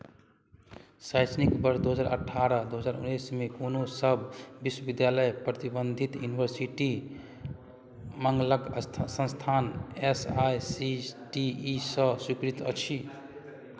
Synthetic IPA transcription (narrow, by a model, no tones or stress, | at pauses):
sajsnikbəɾsd̪uɦəd͡ʒaɾə̰ʈʰaɾəd̪uɦəd͡ʒaːɾṵnːejsmekonosəbʱbiswəbid̪jaləjpɾət̪ibənd̪ʱit̪junibʱəɾsiʈi | məŋɡləɡsə̃nst̪ʰanesajsiʈiːsə̃sikɾit̪ə̰t͡ʃʰi